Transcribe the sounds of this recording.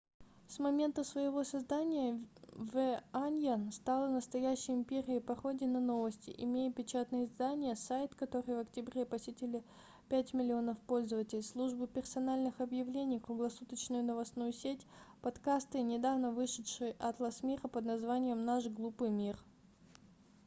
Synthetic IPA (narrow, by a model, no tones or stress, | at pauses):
smɐmʲe̞nt̪əsvəjɪvo̞sɐzd̪anʲɪjəvɛanʲjanst̪alˠənəst̪ɐjæɕːɪjɪmʲpʲeɾʲɪəpɐxo̞dʲɪnɐno̞vəsʲtʲɪ̰ʔɪmʲejɪpʲɪt͡ɕat̪nɨjɪzd̪anʲɪjəsajt̪kɐt̪o̞ɾɨjvɐktʲɪbɾʲepɐsʲɪtʲɪlʲɪ | pʲætʲmʲɪlʲɪo̞nəfpo̞lʲzəvətʲɪlʲslˠuʐbɨpʲɪrsɐnalʲnɨxɐbjɪvlʲenʲijkɾʊɡlˠɐsut̪ət͡ɕnʊjʊnəvɐsnujʊsʲetʲpɐt̪kast̪ɨnʲɪd̪avnəvɨʂɨtʂɨjʔɐt̪lˠɐsmʲiɾəpəd̪nɐzvanʲɪjəmnaʂɡlˠupɨjmʲir